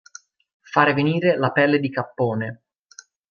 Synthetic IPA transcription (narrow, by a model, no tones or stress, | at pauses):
faːɾeveniːɾelapɛlːed̪ikapːoːne